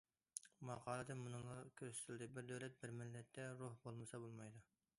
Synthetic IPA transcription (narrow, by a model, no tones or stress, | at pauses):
mɑqʰɑːlˠɨd̪ɨnmunɨŋlˠɑkʲʰøɾsy̥t̪ʰɪlʲd̪ɪbɪɾd̪øwlɛt̪̚bɪɾmɪlːɛt̪ʰːɛɾohbolˠmɨsɑbolˠmɑjd̪u